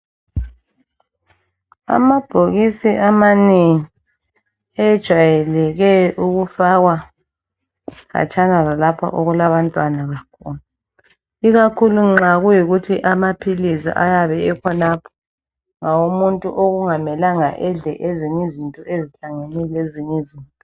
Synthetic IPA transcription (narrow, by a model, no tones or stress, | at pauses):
a̰mab̥ʱoɣisiʔamaneŋi | ɛd̥ʒ̥ʱwajɛlɛɣɛuɣufaɣwa | ɣa̰t͡ʃʼanalalapʰa̰ʔoɣulaβantʼwanaɣakʰṵlu | iɣakʰuluŋ͡ǁaɣujiɣutʰiʔamapʰilizḭʔa̰jaβɛɛkʰɔnapʰɔ̥ | ŋawumuntʼuʔoɣuŋamɛlaŋa̰ʔɛɮɛ̰ʔeziɲizintʼɔeziɬaŋenileziɲizintʼɔ